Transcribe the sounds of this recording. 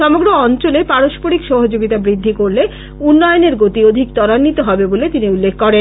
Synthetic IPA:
ʃɔmoɡɾoɔnt͡ɕolepaɾoʃpoɾikʃoɦod͡ʑoɡit̪abɾid̪ʱːikoɾle | unːɔjoneɾɡot̪iod̪ʱikt̪ɔɾanːit̪oɦɔbebolet̪iniulːekʰkɔɾen

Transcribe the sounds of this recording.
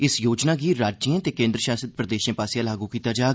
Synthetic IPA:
ɪsjoːd͡ʒnaːɡiːɾaːd͡ʒd͡ʒiːãːt̪eːkẽːnd̪ɾəʃaːsət̪̚pɾəd̪eːʃjãːpaːsjãːlaːɡuːkiːt̪aːd͡ʒaːɡ

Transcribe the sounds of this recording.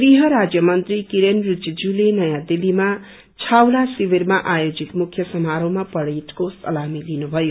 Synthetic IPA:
ɡriɦʌɾad͡zjʌmʌnt̪rikiɾenrud͡zid͡zulenʌjãd̪ilima | t͡sʰawlasibirmaʔajod͡zit̪mukʰjʌsʌmaɾomapʌɽiʈkosʌ̰lamilinubʱʌjo

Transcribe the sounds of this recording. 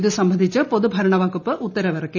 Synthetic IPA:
ðɨsɐmbʱɐnd̪ʱit͡ɕːɨpoðubʱɐɾɐɳɐʋaːkupːɨʔut̪ːɐɾɐʋɐrɐkːe

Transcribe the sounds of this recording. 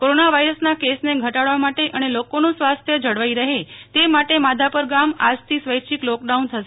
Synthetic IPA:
koɾonaʋaiɾəsnakesneɡʱəʈaɽʋamaʈeʔənelokonũsʋast̪ʰjəd͡ʒəɽʋaiɾəɦet̪emaʈemad̪ʱapəɾɡama̰d͡ʒt̪ʰisʋəjʃiklɔk̚ɖaunt̪ʰəʃe

